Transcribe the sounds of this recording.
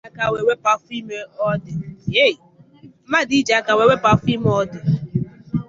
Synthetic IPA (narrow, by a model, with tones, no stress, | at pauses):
ka˨we˨we˦pa˨fi˦me˦ɔ˦dɪ˨je˦˨i˨˦ | ma˦di˨˦d͡ʒa˨˦ka˨we˨we˦pa˨fi˦m˦ɔ˦dɪ˨